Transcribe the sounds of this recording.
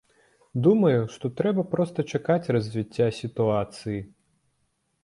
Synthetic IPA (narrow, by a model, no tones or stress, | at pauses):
d̪umɐjuʂt̪ɔt̪ɾɛbɐpɾɔst̪ɐt͡ʂakat͡sʲrɐzʲvʲit͡sʲːasʲit̪uat̪sɨji